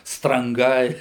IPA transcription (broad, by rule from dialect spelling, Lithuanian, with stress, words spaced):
strɐŋˈɡɐɪ